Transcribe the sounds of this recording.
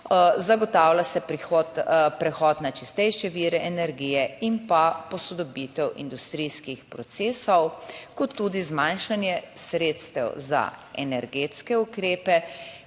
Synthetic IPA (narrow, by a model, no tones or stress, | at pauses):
zaɡɔt̪aːwlasɛpɾixɔt̪pɾɛxɔːt̪nat͡ʃist̪ɛjʃɛʋiːɾɛʔɛnɛɾɡiːjɛimpapɔsɔd̪ɔbiːt̪ɛwḭnd̪ust̪ɾiːskixpɾɔt̪seːsɔwkɔt̪ːuːd̪izmanʃanjɛsɾeːt̪st̪ɛwza̰ɛ̰nɛɾɡeːt̪skɛukɾeːpɛ